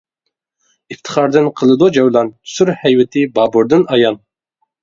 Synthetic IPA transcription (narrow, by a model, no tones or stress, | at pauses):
ift̪ʰɨ̥χɑɾd̪ɨnqʰəlˠɨd̪ud͡ʒɛwlˠɑnsyɾhɛjwɪt̪ʰɪbɑːbuɾd̪ɨnɑjɑn